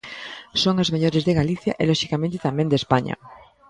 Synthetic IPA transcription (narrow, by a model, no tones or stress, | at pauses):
soŋazmeʎoɾezðeɣaliθja̰ʔelɔʃikamẽnt̪et̪amẽnd̪espaɲɐ̰